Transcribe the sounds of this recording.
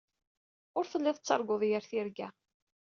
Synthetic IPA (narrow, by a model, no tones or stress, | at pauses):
ʊɾθəlːɪðˤət͡sːɑɾˤɡoðˤjəɾθiɾɡæ